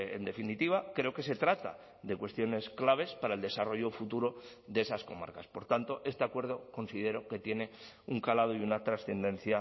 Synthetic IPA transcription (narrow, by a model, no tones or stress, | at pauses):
ḛnd̪e̞finit̪iβ̞akɾe̞oke̞se̞t̪ɾat̪a̰ | ðe̞kwe̞st̪jo̞ne̞sklaβ̞e̞spaɾaeld̪e̞saro̞ʝo̞fut̪uɾo̞ | ðee̞sasko̞̰ma̰ɾkaspo̞ɾt̪ant̪o̞ʔe̞st̪e̞akwe̞ɾðo̞ko̞nsið̞e̞ɾo̞ke̞t̪je̞ne̞ | uŋkalað̞oiunat̪ɾasθe̞nd̪ẽ̞nθja